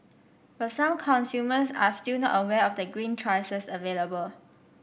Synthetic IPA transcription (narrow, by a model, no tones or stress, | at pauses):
bətsãmkʰɔ̃nsjuməsa̰stinɔ̰təwɛɔfdəɡɹĩntʰɹaɪsəsəveləbəl